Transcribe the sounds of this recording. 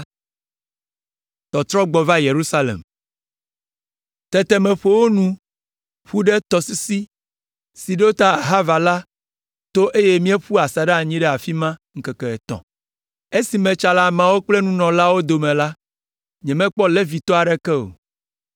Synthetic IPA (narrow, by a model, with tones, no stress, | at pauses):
t̪ɔ˨t̪ɾɔ˦ɡ͡bɔ˨va˦je˨ɾu˦sa˦lḛ˨m | t̪ɛ˨t̪ɛ˦mɛ̃˨ɸo˨wo˦nũ˦ | ɸu˦ɖɛ˦t̪ɔ˨si˦si˦ | si˨ɖe˦wo˦t̪a˦a˨ɦa˦va˨la˦ | t̪o˦ʔe˦je˦mĩ˦ɛ˦ɸu˦a˨sa˨ɖe˦a˨ɲĩ˦ɖɛ˦a˨fi˦mã˦ŋ̩˦kɛ˨kɛ˨ɛ˨t̪ɔ̰̃˨ | e˦si˨mɛ̃˨t͡ʃa˨la˦mã˨wo˦k͡plɛ˦nũ˦nɔ̃˨la˦wo˦d̪o˨mɛ̃˨la˦ | ɲɛ̃˨mɛ̃˦k͡pɔ˦lɛ˦vi˨t̪ɔ˦a˨ɖɛ˦kɛ˦o̰˨